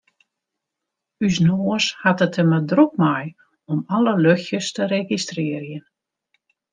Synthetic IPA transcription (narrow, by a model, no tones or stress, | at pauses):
ysnoəshatətəmədruk̚maj | ɔmaləløxjəstəɾeɡistrɪːrjən